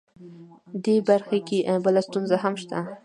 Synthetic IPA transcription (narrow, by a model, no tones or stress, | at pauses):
d̪ebaɾxakebəlast̪unzaɦamʃt̪a